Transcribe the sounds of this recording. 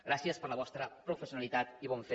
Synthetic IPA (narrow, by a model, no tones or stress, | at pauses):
ɡɾasiəspəɾləβɔst̪ɾəpɾufəsjunəlit̪at̪iβɔɱfe